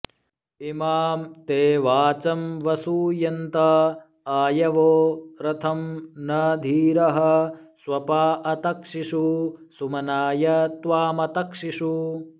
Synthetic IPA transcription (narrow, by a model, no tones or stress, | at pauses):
imaːmt̪eːʋaːt͡ʃɐmʋɐsujɐnt̪ɐ | aːjɐʋoːɾɐt̪ʰɐmnɐd̪ʱiːɾɐɦɐsʋɐpaːʔɐt̪ɐkʂiʂusumɐnaːjɐt̪ʋaːmɐt̪ɐkʂiʂu